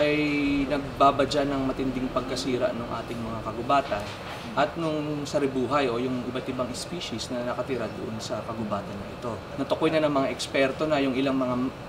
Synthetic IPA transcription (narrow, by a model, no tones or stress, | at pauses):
ʔɐjnɐɡ̚baːbɐd͡ʒanɐŋmɐt̪ɪnd̪ɪŋpɐɡ̚kɐsiːɾɐ̰ʔnoŋʔa̰ːt̪ɪŋmɐŋakɐɡʊbaːt̪ɐn | ʔɐt̪̚nʊŋsɐɾɪbuːɦɐjʔo̞jʊŋʔɪbat̪ɪbaŋɪspiːʃisnɐnɐkɐt̪ɪɾɐd̪oʔonsɐkɐɡʊbaːt̪ɐnːɐʔɪt̪o̞ | nɐt̪ʊko̞jnɐnɐŋmɐŋaʔɛkspɛɾt̪o̞nɐjʊŋʔɪlaŋmɐŋa